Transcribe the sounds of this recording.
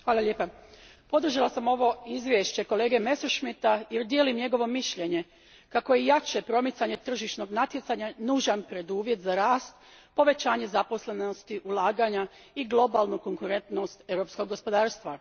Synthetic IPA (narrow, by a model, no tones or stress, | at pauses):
xʋaːlˠaʎʲeːpa | po̞d̪r̩ʒalasamo̞ʋo̞izʋjeʃt͡ɕe̞ko̞le̞ːɡe̞me̞soʃmit̪ajeɾd̪jeːlimɲe̞ɡo̞ʋo̞miʃʎe̞ɲe̞ | kako̞jejat͡ʃe̞pɾo̞mit̪saɲe̞t̪r̩ʒiʃno̞ɡnat̪je̞t̪saɲanuːʒanpɾe̞d̪uːʋje̞t̪zaɾaːst̪ | po̞ʋe̞t͡ɕaːɲe̞zapo̞sle̞no̞st̪iʔulˠaːɡaɲa | iɡlˠo̞balnuko̞ŋkuɾe̞nt̪no̞st̪e̞wɾo̞psko̞ɡːo̞spo̞d̪aːɾst̪ʋa